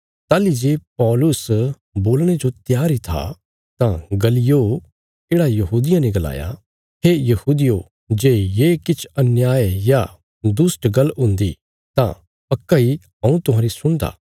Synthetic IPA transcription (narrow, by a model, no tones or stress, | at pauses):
t̪aːlid͡ʒeːpɔːlʊs | boːlɽ̃ed͡ʒot̪jaːɾit̪ʰa̰ | t̪ãɡɐlijo | keːɽajɐɦuːd̪ɪjãnɛɡɐla̰ːja̰ | ɦejɐhuːd̪ɪjo | d͡ʒeːjeːkɪt͡ʃʰɐnjaːeja | d̪ʊsʈɡɐlɦʊ̃nd̪ḭ | t̪ã̰ | pɐkːaiɦɐ̃ũt̪ʊɦãːɾisʊɽ̃d̪a̰ː